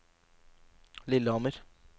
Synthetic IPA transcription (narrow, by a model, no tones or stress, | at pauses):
lɪlːəɑməɾ